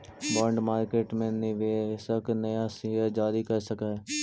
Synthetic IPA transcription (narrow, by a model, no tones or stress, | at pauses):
bɔːɳɖmaːɾkeːʈmẽnɪʋeːsəknɐjasɪɦəd͡ʒaːɾikɐɾsəkaɦɛː